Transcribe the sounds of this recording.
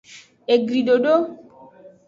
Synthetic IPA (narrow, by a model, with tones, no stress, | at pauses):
e˨ɡɾi˨ɖo˨ɖo˦